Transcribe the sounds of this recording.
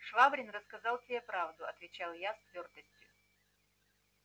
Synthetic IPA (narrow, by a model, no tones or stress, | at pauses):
ʂvabɾʲɪnrəskɐzalˠt̪ʲɪepɾavd̪ʊɐt̪vʲɪt͡ɕalˠjast̪vʲort̪əsʲtʲjʊ